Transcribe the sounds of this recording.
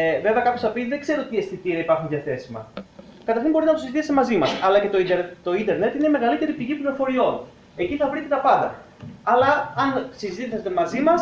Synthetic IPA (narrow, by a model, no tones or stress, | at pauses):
ve̞veɐkɐpjo̞sθɐpiðe̞ɡze̞ɾoot̪iest̪it̪iɐipɐɾxunðiɐθe̞simɐ̰ | kɐt̪ɐɾçimbo̞ɾinɐt̪osizit̪ist̪emɐzimɐsɐlɐcet̪o̞it̪o̞ind̪e̞ɾne̞t̪ineme̞ɣɐlit̪eɾipiʝipliɾo̞fo̞ɾio̞n | e̞ciθɐvɾit̪e̞t̪ɐpɐd̪ɐ̰ | ɐlɐːnsizit̪iset̪emɐzimɐs